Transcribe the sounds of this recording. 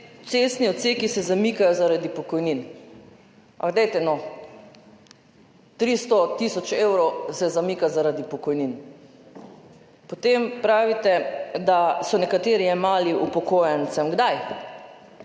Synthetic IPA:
t̪sest̪niɔt̪sekisɛzamikajɔzaɾad̪ipɔkɔjnin | a̰ɡd̪ɛjt̪ɛnɔ | t̪ɾist̪ɔt̪isɔt͡ʃewɾɔwsɛzamiːkazaɾad̪ipɔkɔjnin | pot̪empɾaːʋit̪ɛd̪asɔnɛkat̪eːɾiɛmaːliʔupɔkojant̪samɡd̪aj

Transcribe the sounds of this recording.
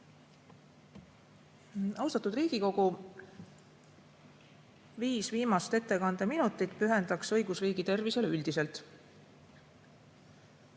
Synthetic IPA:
ɑwst̪ɑt̪ːˑud̪riːɡ̥iko̞ɡ̥u | viːsviːmɑst̪e̞t̪ːe̞kɑnd̪̥eminut̪ːˑit̪ːˑpyɦe̞nd̪̥ɑksɤ̞jɡ̥usriːɡ̥it̪e̞rvise̞lyld̪̥ise̞lt̪

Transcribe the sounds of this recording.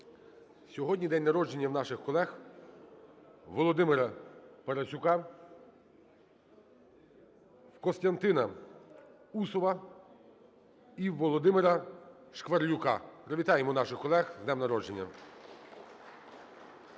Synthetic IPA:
sʲɔɦɔdʲnʲid̪ɛnʲnɐɾɔd͡ʒenʲːɐwnɑʃɪxkɔlˠɛx | ʋɔlˠɔd̪ɪmɪɾɐpɐɾɐt͡ʃʲʊkɑ | wkɔst̪ɐnt̪ɪnɐ | usɔʋɐ | iʋɔlˠɔd̪ɪmɪɾɐʃkʋɐrlʲʊkɑ̰pɾɔʋʲit̪ɑjemɔnɑʃɪxkɔlˠɛxznɛmnɐɾɔd͡ʒenʲːɐ̰

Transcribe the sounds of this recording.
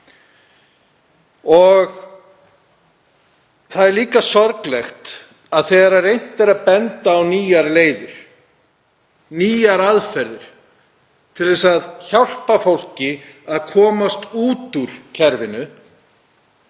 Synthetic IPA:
ɔɣ | θaðɛɾliːkasɔɾklɛxt̪ | aðθɛɣaɾaɾejn̥t̪ɛɾaðpɛnt̪aːwniːjaɾleːjðɪɾ̥ | niːjaɾaðfɛɾðɪɾ̥ | t̪ʰɪlðɛsaðçawr̥pafowl̥cɪaðkʰɔːmast̪uːt̪uɾ̥cʰɛɾvɪnʏ

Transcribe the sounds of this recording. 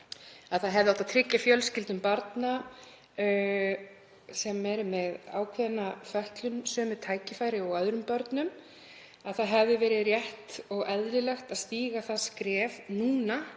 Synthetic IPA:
aðθaðɦɛvðɪawt̪aðt̪ʰɾɪcːafjœlscɪlt̪nʏmpaɾt̪na | sɛmɛɾʏmɛða̰ːwkʰvɛðnːafœht̪lʏmsœːmʏt̪ʰaːjcɪfaːjɾɪɔɣœðɾʏmpœɾt̪nʏm | aðθaðɦɛvðɪvɛːɾɪðrjɛht̪ɔɣɛðɾɪlɛxt̪aðst̪iːɣaθaðskɾɛːvnuːna

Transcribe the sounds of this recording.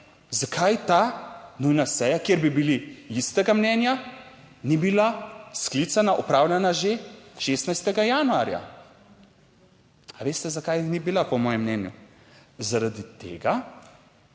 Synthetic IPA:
zakʰajt̪anujnasɛjakjeɾbibiliist̪ɛɡamnɛːnja | nibilasklit̪sanaʔɔpɾaːwlʲanaʒeʃeːst̪najst̪ɛɡajaːnua̰ːɾja̰ | aʋeːst̪ɛzakajnibilapɔmɔːjɛmnɛnju | zaɾad̪it̪ḛːɡa

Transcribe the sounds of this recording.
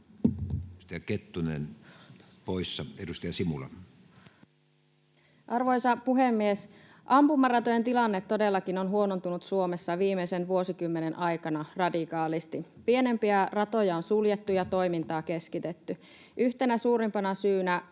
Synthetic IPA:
st̪ɑjɑket̪ːunḛn | poisːɑedust̪ɑjɑsimulɑ̰ | ʔɑrʋojsɑpuɦemːies | ʔɑmpumːɑrɑt̪ojent̪ilɑnːet̪ːode̞lːɑkino̞nɦuo̞nont̪unut̪suo̞mesːɑʋiːmeisenʋuo̞sikymːenenʔɑjkɑnɑrɑdikɑːlist̪i | pie̞ne̞mpiærɑt̪ojɑonsuljet̪ːujɑt̪o̞imint̪ɑːke̞skit̪et̪ːy | ʔyht̪e̞næsuːɾimpɑnɑsyːnæ

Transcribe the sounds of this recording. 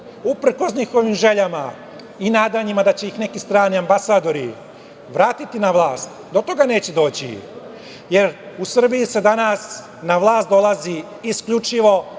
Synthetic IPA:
upɾ̩ko̞sɲixo̞ʋimʒe̞ʎama | inaːd̪aɲimad̪at͡ɕe̞jixne̞kist̪ɾaːniambasaːd̪o̞ɾi | ʋɾaːt̪it̪inaʋlˠaːst̪d̪ot̪o̞ɡane̞ːt͡ɕed̪o̞ːt͡ɕḭ | je̞ɾusr̩bijise̞d̪anas | naʋlˠaːst̪d̪o̞lˠazi | iskʎut͡ʃiʋo̞

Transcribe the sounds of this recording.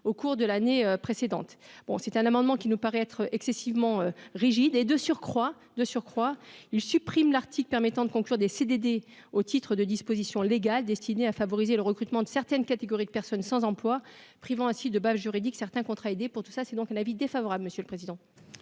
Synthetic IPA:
okuʁd̪əlaneøpχesed̪ɑ̰̃t̪b̥ɔ̰̃sɛt̪ɛ̃namɑ̃d̪mɑ̃kʲinupaʁɛɛt̪χəʔɛksesivmɑ̃øʁiʒid̪ed̪əsyʁkχwa | d̪əsyʁkχwailsypχimlaʁt̪ʰiklpɛʁmɛt̪ɑ̃d̪əkɔ̃klyʁd̪esed̪ed̪e | ot̪ʰit̪χəd̪əd̪ispozisjɔ̃leɡald̪ɛst̪ineafavɔʁizeləʁəkχyt̪mɑ̃d̪əsɛʁt̪ɛnkat̪eɡɔʁid̪əpɛʁsɔnsɑ̃zɑ̃plwapχivɑ̃ɛ̃sid̪əbazʒyʁid̪iksɛʁt̪ɛ̃kɔ̃t̪χaed̪epuʁt̪u̥sasɛd̪ɔ̃kɛ̃navid̪efavɔʁabləməsjøləpχezid̪ɑ̃

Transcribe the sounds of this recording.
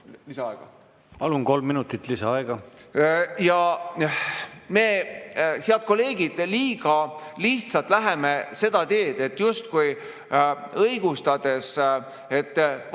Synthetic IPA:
lisɑɑeɡ̥ɑ | pɑlunko̞lmːinut̪ːˑit̪ˑlisɑɑeɡ̥ɑ | jɑ | me̞ːheɑd̪̥̚ko̞lːe̞ːɡid̪̥liːɡ̥ɑliht̪sɑlt̪ːˑlæɦe̞me̞se̞d̪̥ɑt̪e̞ːd̪̥e̞t̪ːˑjust̪kuj | ɤjɡ̥ust̪ɑd̪̥e̞s | e̞t̪ːˑ

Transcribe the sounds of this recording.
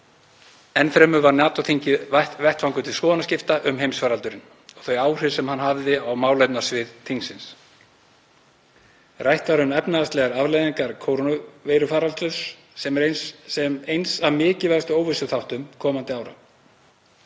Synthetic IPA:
ɛnfɾɛmʏvaɾnaːt̪ɔθiɲcɪvaht̪vɛht̪fawŋkʏt̪ʰɪlskɔːðnascɪft̪aʔʏmɦejmsfaːɾalt̪ʏɾɪn | ɔɣ̥θœɥaːwr̥ɪsɛmhanɦavðɪawmaːwlejpnasvɪðt̪ʰiŋksɪns | rajht̪vaɾʏmɛpnaðast̪lɛɣaɾavlejðiŋkaɾ̥kʰowɾvejɾʏfaːɾalt̪ʏs | ɛmɛɾɛmejnsavmɪːcɪvast̪ʏoːwvɪst̪ʏθawht̪ʏmkʰɔːmant̪ɪaːwɾa̰

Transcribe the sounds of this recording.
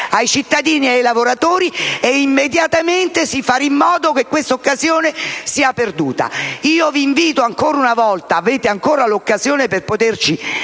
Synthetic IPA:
ajt͡ʃit̪ːad̪iːniajlavoɾat̪oːɾieimːed̪jat̪ament̪esifaɾimːɔːd̪okekːwest̪aokːazjoːnesiːaperd̪uːt̪a̰iːoviːɱviːt̪oaŋkoːɾaunavɔlt̪aːveːt̪eaŋkoːɾalokːazjoːneperpot̪ert͡ʃi

